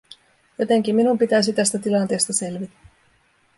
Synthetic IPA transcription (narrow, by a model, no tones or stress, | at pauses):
jot̪e̞ŋk̟imːinumpit̪æjs̬it̪æst̪æt̪ilɑnt̪e̞ːst̪ɑse̞lʋit̪æ̥